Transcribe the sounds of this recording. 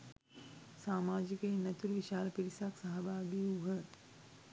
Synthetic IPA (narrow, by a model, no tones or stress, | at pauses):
saːmaːd͡ʒikenɐt̪uɾʋɪʃaːlpiɾisaksaɦɐbaːbiuɦɐ